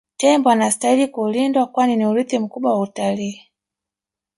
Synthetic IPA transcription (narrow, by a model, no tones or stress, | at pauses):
tɛmbɔanasi̥tailikulindwakwaniniuɾiθim̩kuɓwawautaliː